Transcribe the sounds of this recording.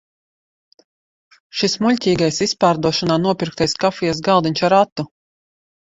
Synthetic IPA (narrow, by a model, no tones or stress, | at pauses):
ʃismuʎʲtʲiːɡajsispaːɾd̪uɔʃanaːnuɔpʲiɾk̚t̪ajskafʲijɛs̬ɡalˠd̪iɲʲt͡ʃaɾat̪ːu